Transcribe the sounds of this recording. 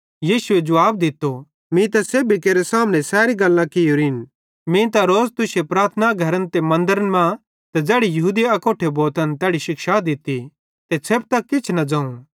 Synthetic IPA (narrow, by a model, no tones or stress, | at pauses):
jiːsʊed͡ʒʊʋaːb̚d̪ɪt̪ːo | mĩt̪ɐseːbikeːɾesaːmnɛ̃sɛːɾiɡɐlːãkɪjoːɾiːn | mĩt̪aɾoːzt̪ʊʃepɾaːɾt̪ʰnaɡʱɐɾənt̪emɐ̃nd̪əɾənmã | t̪ɐd͡zɛːɽijɐɦuːd̪iɐkoːʈʰeboːt̪ənt̪ɛːɽiʃɪkʃad̪ɪt̪ːi | t̪et͡sʰeːb̚t̪ɐkkːɪt͡ʃʰnɐd͡ʒãːũ